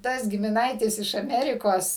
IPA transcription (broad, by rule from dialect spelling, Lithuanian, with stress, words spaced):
ˈtɐs ɡʲɪmʲɪˈnɐɪtʲɪs ɪʃ ɐˈmʲæːrʲɪkoːs